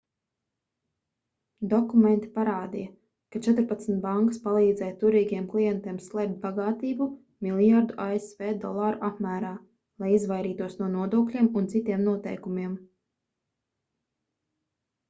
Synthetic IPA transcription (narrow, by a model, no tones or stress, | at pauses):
d̪ɔkumẽnt̪i̥paɾaːd̪ija | kat͡ʃɛt̪ɾpat̪snt̪̚baŋkḁspalˠiːd̪zɛjt̪uɾiːɡijɛmklˠijɛnt̪iɛmslˠɛp̚t̪̚baɡaːt̪iːbu | milˠjaɾd̪uʔaesveːd̪ɔlˠaːɾṵʔapmæːɾaː | lˠajizvajɾiːt̪uɔsnuɔnuɔd̪uɔklʲiɛmunt̪it̪iɛmnuɔt̪ɛ̰jkumiɛm